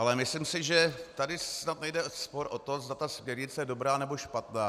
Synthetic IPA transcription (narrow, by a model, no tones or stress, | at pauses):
ʔalɛmɪslimsɪʒɛt̪adɪsnat̪nɛjdɛspo̞ɾʔo̞t̪o̞zd̪at̪asmɲɛɾɲɪt͡sɛjɛdo̞bɾaːnɛbo̞ʃpat̪naː